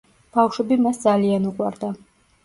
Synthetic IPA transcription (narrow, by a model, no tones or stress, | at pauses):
b̥awʃwɛbimasd̪zalianuqʼwa̰ɾd̪a